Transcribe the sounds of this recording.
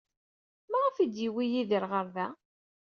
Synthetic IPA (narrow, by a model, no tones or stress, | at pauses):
mæʁafid̪jiwijiðəɾʁəɾðæ